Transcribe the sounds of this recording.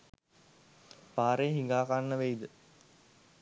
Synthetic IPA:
paːɾeɦiŋɡaːkanːəʋejd̪ə

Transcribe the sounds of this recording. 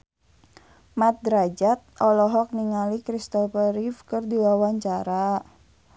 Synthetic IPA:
mat̪̚d̪ɾad͡ʒat̪̚ʔɔlɔɦɔk̚niŋalikɾist̪ɔpəɾifkɨrdiwawaɲt͡ʃaɾa

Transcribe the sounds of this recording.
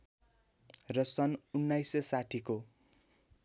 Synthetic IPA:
rʌsʌnunːajsesaʈʰiko

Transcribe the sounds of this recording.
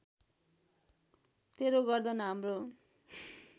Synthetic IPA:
t̪eɾoɡʌrd̪ʌnʌɦamro

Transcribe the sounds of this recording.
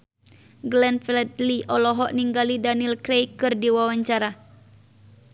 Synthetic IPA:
ɡlɛnfɛlɛt̪liʔɔlɔɦɔʔniŋɡalidanilkɾejkɨrdiwawaɲt͡ʃaɾa

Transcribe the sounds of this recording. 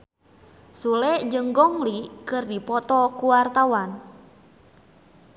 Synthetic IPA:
sulɛʔd͡ʒəŋɡɔŋlikərdipɔt̪ɔkuwart̪awan

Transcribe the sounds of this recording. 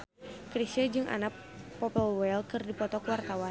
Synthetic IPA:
kɾiʃəd͡ʒɨŋʔa̰nak̚ | pɔpəlwɛlkɨrdipɔt̪ɔkəwart̪awan

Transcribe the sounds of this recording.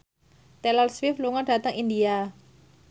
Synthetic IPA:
t̪ɛlɔlswɪfluŋɔnɖ̥a̤t̪əŋind̪ia

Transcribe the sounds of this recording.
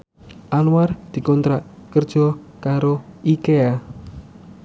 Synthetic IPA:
ʔanward̪̥i̤kɔnt̪ɾaʔkərd̥ʒ̥ɔ | kaɾoʔikea

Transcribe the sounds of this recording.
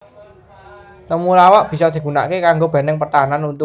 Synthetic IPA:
t̪əmulawaʔb̥i̤sɔd̪̥i̤ɡ̥ṳna̰ʔkekaŋɡob̥ɛ̤nɛŋpərt̪aɦananunt̪ʊ

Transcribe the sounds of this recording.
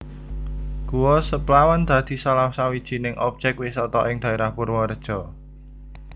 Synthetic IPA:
ɡ̥uwɔsəplawand̪̥a̤d̪̥i̤salamsawid̥ʒ̥i̤nɪŋʔɔp̚ʒ̥ɛk̚wɪsɔt̪ɔʔɪŋd̪̥a̤eɾahpurwɔɾəd̥ʒ̥ɔ̤

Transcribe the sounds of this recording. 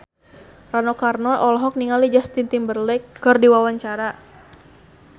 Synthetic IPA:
ranokarnɔʔɔlɔɦɔk̚niŋalid͡ʒast̪int̪imbərlɛkːərdiwawaɲt͡ʃaɾa

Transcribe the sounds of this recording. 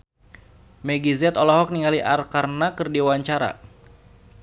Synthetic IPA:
mɛɡizɛt̪ɔlɔɦɔk̚niŋaliʔarkarnakɨrdiwaɲt͡ʃaɾa̰

